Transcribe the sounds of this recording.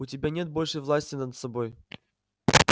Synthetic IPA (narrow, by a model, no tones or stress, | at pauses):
ʊtʲɪbʲanʲe̞t̪̚bo̞lʲʂɨjvlˠasʲtʲɪnəd̪sɐbo̞j